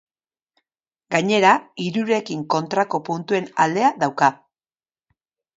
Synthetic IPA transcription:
ɡaɲe̞ɾaiɾuɾe̞kiŋko̞nt̪ɾako̞punt̪ue̞nald̪e̞aðawka

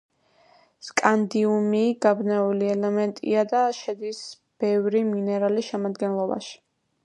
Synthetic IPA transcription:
skʼand̪iumiɡabnɛuliɛlɛmɛnt̪ʼḭad̪aʃɛd̪is | b̥ɛvɾiminɛɾaliʃɛmad̪ɡɛnlˠɔba̰ʃi̥

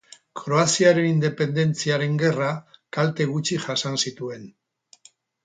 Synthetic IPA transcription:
kɾo̞asiaɾe̞nind̪e̞pe̞nd̪e̞nt͡siaɾe̞ŋɡe̞rakalt̪e̞ɣ̞ut͡ʃiʝasansit̪ue̞n

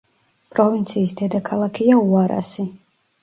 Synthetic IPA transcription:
pʼɾɔvint̪sʰiːsd̪ɛd̪akʰalˠakʰiauaɾa̰si

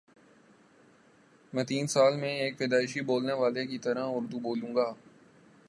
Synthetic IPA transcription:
mɛ̃ːt̪iːnsaːlmẽeːkfɪd̪aːɪʃiboːlneʋaːlekit̪əɾãʊɾd̪uboːlũːŋɡaː

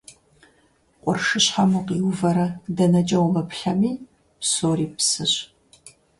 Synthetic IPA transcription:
qʷʼɔrʂɨɕħamuqiwvɐɾɐdɐnɐt͡ʃʼɐwmɨpʰɬɐmiː | psoːriːpsɨɕ

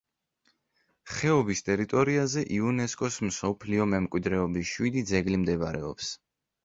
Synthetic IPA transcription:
χɛɔbist̪ʼɛɾit̪ʼɔɾiazɛʔiunɛskʼɔsmsɔpʰliɔmɛmkʼwid̪ɾɛɔbiʃwid̪id̪zɛɡlimd̪ɛbaɾɛ̰ɔ̰ps

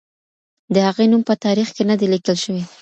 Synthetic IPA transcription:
d̪əhaɣenumpət̪ɑɾixkenəd̪elikəlʃəwe

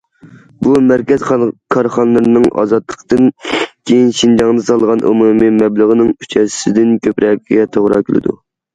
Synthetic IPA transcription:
bumæɾkʲɛzkʰɑɾχɑnlˠɨɾnɨŋʔɑ̰zɑt̪lˠəqt̪ɨnkʲʰejinʃind͡ʒɑŋd̪ɨsɑlˠʁɑnʔṵmumɨmɛblˠəʁənɨŋyt͡ʃʰɛssɪd̪ɪnkʲʰøpɾʔɛkʲɡʲɛt̪ʰoʁɾɑ̰kʲʰylˠɪ̰d̪ṵ

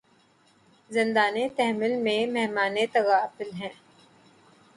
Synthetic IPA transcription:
zɪ̃nd̪aːnet̪ɛɦmɪlmẽmɛɦmaːnet̪ɐɣaːfɪlɦɛ̃ː

